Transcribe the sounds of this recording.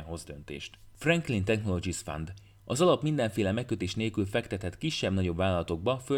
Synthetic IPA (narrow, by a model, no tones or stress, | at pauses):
ɦo̞zd̪ø̞nt̪ḛːʃt̪frɛŋklint̪ɛxno̞lo̞ɡisfa̰nd̪ | ʔɒzɒlɒpmind̪ɛɱfeːlɛmɛkːø̞t̪eːʃneːlkylfɛkt̪ɛt̪ɛt̪kiʃːɛbnɒɟo̞bvaːlɒlɒt̪o̞ɡ̚bɒfø